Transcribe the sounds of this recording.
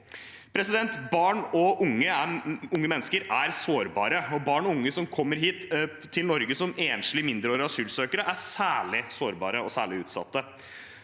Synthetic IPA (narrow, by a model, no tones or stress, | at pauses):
pʰɾɛsɪd̪ɛnt̪bɑːɳɔʔʊŋːəæʊŋːəmɛnːəskəɾæɾsoːɾbɑːɾəɔbɑːɳɔʊŋːəsɔmkʰɔmːəɾɦiːt̪ʰː | ɪlnɔɾɡəsɔmeːnʂlɪmɪnd̪ɾəoːɾɑsyːlsøːkəɾəʔæsæːɭɪsoːɾbɑ̰ːɾəɔsæːɭɪʉːt̪sɑ̰t̪ːə